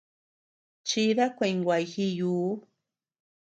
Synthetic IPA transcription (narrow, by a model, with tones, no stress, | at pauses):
t͡ʃi˦ða˦kʷe˧ŋɡʷa˨jxi˦juː˦